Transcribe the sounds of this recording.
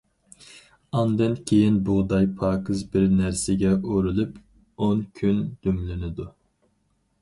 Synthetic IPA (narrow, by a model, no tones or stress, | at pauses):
ɑnd̪ɨnkʲʰejinbuʁd̪ɑjpʰɑːkʰɨzbɪɾnæɾsɪɡʲɛʔoɾɪlyp | onkʲʰynd̪̥ymlɪnɪd̪u